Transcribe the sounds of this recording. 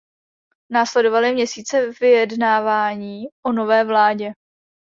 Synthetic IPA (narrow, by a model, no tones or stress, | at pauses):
naːslɛdo̞valɪmɲɛsiːt͡sɛvɪjɛdnaːvaːɲiːʔono̞vɛːvlaːɟɛ